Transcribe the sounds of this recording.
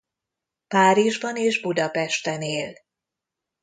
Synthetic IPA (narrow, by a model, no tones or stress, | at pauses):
paːɾiʒbɒneːʒbud̪ɒpɛʃt̪ɛneːl